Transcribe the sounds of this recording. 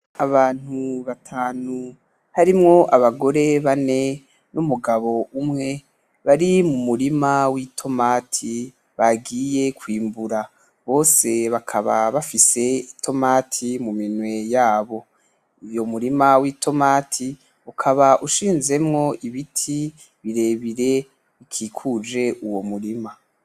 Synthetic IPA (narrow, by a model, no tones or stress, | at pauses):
aβaːn̥huβatʰaːnu | haɾimŋo̞ʔaβaɡo̞ɾe̞βane̞ | numuɡaβo̞ʔumŋe̞ | βaɾimumuɾimawitʰo̞maːtʰi | βaɡiːje̞kʰwiːmbuɾa | βo̞ːse̞βakʰaβaβafise̞itʰo̞maːtʰimuminwe̞jaːβo̞ | ijo̞muɾimawiːtʰo̞matʰi | ukʰaβaʔuʃiːnze̞mŋo̞iβitʰi | βiɾe̞ːβiɾe̞ | βikʰikʰud͡ʒe̞ʔuwo̞muɾima